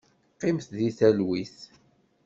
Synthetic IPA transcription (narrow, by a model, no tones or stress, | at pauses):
qːɪmθðiθælwiθ